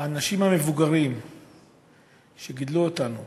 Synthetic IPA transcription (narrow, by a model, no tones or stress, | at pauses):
aːnaʃimhame̞vuɡaʁim | ʃe̞ɡid̪luotanu